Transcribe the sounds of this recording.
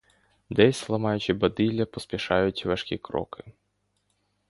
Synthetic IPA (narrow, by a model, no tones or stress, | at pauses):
d̪ɛsʲslˠɐmɑjʊt͡ʃɪbɐd̪ilʲɐpɔspʲiʃɑjʊtʲʋɐʃkʲḭkɾɔ̰kɪ